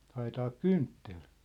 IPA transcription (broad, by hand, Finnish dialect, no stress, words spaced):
hɑetɑːk kyntːel